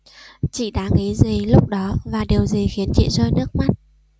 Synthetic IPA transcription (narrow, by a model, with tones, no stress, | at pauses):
t͡ɕḭ˧˨ɗa̰ː˧˥ŋi˨˦zi˨˩lʊ˦˥k͡p̚ɗɔ˨˦vaː˨˩ɗe˨˩əwzi˨˩xi˨˦ənt͡ɕḭ˧˨zəː˧jnɨ˦˥ək̚ma˦˥t̚